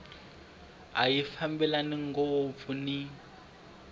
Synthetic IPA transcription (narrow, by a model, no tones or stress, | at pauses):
a̰jifambɛlaniŋ̩ɡoːp̪funi